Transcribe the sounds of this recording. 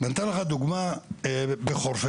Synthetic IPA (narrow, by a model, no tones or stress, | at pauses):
ɡant̪alaɣad̪uɡma | bexoɾse